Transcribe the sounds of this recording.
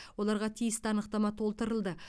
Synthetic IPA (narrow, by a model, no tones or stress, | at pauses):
wo̞lˠɑɾʁɑt̪ʰijɪst̪ɪɑnəqt̪ɑmɑt̪ʰo̞lˠt̪əɾəlˠd̪ə